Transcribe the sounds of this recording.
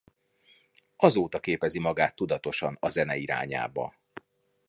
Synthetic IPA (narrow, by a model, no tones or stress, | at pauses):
ɒzoːt̪ɒkeːpɛzimɒɡaːt̪ːud̪ɒt̪o̞ʃɒnɒzɛnɛiɾa̰ːɲa̰ːbɒ̰